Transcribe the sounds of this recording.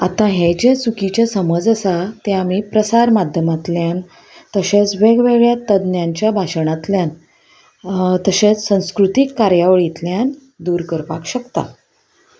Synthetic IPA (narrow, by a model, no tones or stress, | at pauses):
at̪ãɦed͡ʑesukit͡ɕjasəməd͡zəsat̪eamipɾəsaɾmad̪ʱjəmat̪ljan | t̪əɕet͡sʋeɡʋeɡɭjat̪əd̪njaɲt͡ɕjabʱaɕɳat̪ljan | t̪əɕet͡ssə̃w̃skɾut̪ikːaɾjaʋəɭit̪ljan | d̪uɾkəɾpakɕəkt̪a̰